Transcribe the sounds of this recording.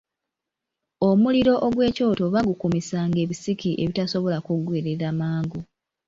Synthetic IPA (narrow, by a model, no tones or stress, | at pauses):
omuliɾo̞ʔoɡwe̞ːco̞ːto̞βaɡukumisaːŋɡe̞ːβisikiʔe̞βitaso̞βo̞lakuɡweːɾeɾamaːŋɡu